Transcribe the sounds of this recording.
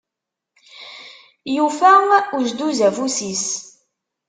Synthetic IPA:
jufæuʒd̪uzæfusis

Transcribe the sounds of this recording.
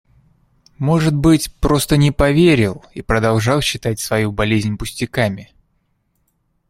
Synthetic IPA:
mo̞ʐɨt̪̚bɨtʲpɾo̞st̪ənʲɪpɐvʲeɾʲɪlˠipɾəd̪ɐlˠʐɑlˠɕːɪt̪atʲsvɐjubɐlʲezʲnʲpʊsʲtʲɪkamʲɪ

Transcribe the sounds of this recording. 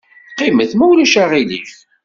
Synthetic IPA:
qːiməθmæwlæʃæʁilḭf

